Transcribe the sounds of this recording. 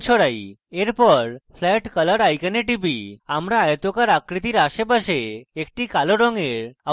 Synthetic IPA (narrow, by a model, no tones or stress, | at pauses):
t͡ʃʰɔɽajeɾpəɾfʰlɛʈkələɽajkəneʈibiamɾaːjt̪okaɾakɾit̪iɾaʃebaʃeːk̚ʈikaloɖɔŋɡeɾa